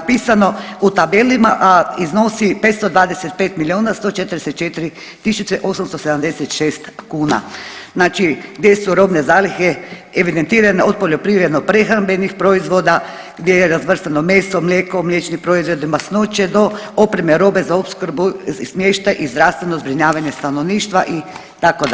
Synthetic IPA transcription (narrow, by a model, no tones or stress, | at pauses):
apiːsanout̪abelimaʔiznosipet̪st̪od̪ʋaːd̪eset̪̚peːt̪milionast̪ot͡ʃet̪ɾdeset̪̚t͡ʃet̪iɾi | t̪isut͡ʃeʔo̞samst̪osed̪amd̪eset̪ʃeːst̪kuːna̰znaːt͡ʃiɡd̪ʲjesuɾobnezaːlixeeʋid̪ent̪iːɾaneod̪̚poʎʲjopɾiʋɾed̪nopɾexɾambenixpɾoizʋoːd̪a | ɡd̪jejeɾazʋr̩st̪anomeːsomlʲeːkomlʲjet͡ʃnipɾoizʋed̪imasnot͡ʃed̪oopɾemeɾoːbezaopskɾbusmjeʃt̪ajʔizd̪ɾawst̪ʋenozbɾiɲaːʋaɲest̪anoʋniːʃt̪ʋaʔi | t̪akod̪